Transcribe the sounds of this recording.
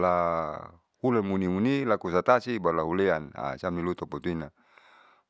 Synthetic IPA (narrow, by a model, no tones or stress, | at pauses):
la | hulemunimunilakusat̪asibalaɦuleana̰samnilut̪ɔpɔt̪uina